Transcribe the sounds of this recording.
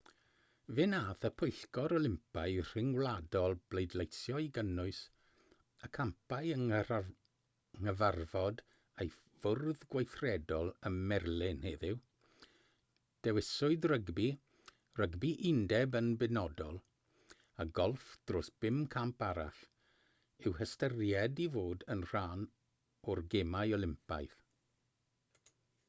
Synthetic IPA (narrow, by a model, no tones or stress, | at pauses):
vɪnaːθəpʰʊɨɬkɔɾɔlˠɪmpʰaɨr̥ɪŋwlˠadɔlˠb̥lejdlˠejsjɔiɡənʊɨs | əkʰampʰajə | ŋəvarvɔd | ej | vʊrðɡwajθrɛdɔlˠəmːɛrlˠɪnheːðɪw | d̥ɛwɪsʊɨdrəɡbi | rəɡbiʔɪndɛbənbɪnɔdɔlˠ | aɡɔlˠfd̥roːsb̥ɪmkʰampaɾa̰ɬ | ɪwhəstərjɛdivoːdənr̥aːn | ɔrɡemajɔlˠɪmpa̰jð